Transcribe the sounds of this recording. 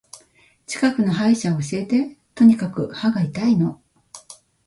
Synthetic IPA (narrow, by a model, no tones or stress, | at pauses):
t͡ɕi̥kakɯ̟no̞ɦaiɕaoːɕiet̪e̞t̪o̞ɲ̟ikakɯ̟haɡait̪aino̞